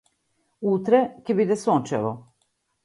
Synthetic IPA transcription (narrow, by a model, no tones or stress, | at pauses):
ut̪ɾɛkebid̪esot͡ʃɛ̰lo